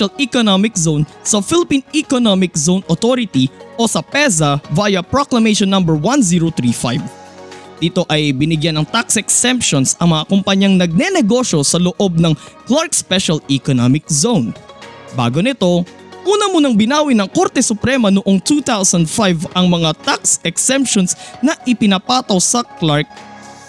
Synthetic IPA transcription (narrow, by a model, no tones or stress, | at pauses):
ɐlikonomɪkzown | sɐfɪlɪpinikonomɪk̚zownot̪oɾɪt̪iʔo̞sɐpɛzɐvajɐpɹoklɐmejʃonːɐ̃mbɛɹwanziɹot̪ɾifa̰jvd̪iːt̪o̞ʔɐjbɪnɪɡjanɐŋt̪aksɛksɛmpʃonsɐŋmɐŋakʊmpɐɲɐŋnɐɡ̚nɛnɛɡo̞ʃo̞sɐloʔo̞b̚nɐŋklaɹk̚spɛʃɐlikonomɪk̚zownba̰ːɡonɪt̪o̞ | ʔuːnɐmonɐŋbɪnaːwɪnɐŋko̞ɾt̪ɛsʊpɾɛmɐnʊʔoŋt̪ut̪awsɐnd̪fajvɐŋmɐŋat̪aksɛksɛmpʃonsnɐʔɪpɪnɐpaːt̪ɐwsɐklaɹk̚